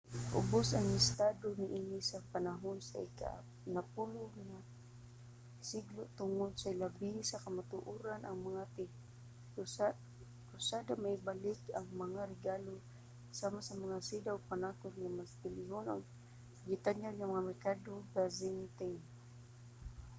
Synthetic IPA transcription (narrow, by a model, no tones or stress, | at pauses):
ʔʊ̰bosaŋɪst̪ad̪onɪʔinɪsapanaɦonsa̰ɪka̰ | napulʊɡŋa | siɡloʔt̪ʊŋod̪saɪlabihsakamat̪ʊʔuɾanʔaŋmaŋat̪ | kʊsad̪amaɪbalɪkaŋmaŋaɾɪɡalo | samasamaŋasid̪awpanakʊt̪ŋamast̪ɪlɪɦono̰ɡ | ɡɪt̪aɲalŋamaŋamɛrkad̪oɡazɪnt̪ɛn